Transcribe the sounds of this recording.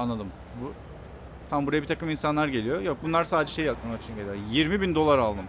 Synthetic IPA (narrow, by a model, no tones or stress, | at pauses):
anlˠad̪ɯm | bu | t̪ʰambuɾajabit̪ʰḁkɯminsanlˠaɾɟe̞lʲijo̞jok̚bunlˠaɾsaːd̪ed͡ʒɛʃe̞jːapt̪̚manait͡ʃ̪ʰɟelʲijojiɾmibind̪o̞lˠaɾalˠd̪ɯm